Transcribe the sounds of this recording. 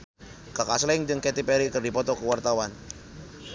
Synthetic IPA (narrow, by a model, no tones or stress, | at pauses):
kakaslɛŋd͡ʒɨŋkɛt̪ipɛɾikərdipɔt̪ɔkəwart̪awan